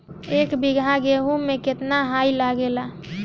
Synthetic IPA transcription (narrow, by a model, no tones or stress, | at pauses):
ekbiɡʱãɡeɦumẽket̪naɦajlaɡela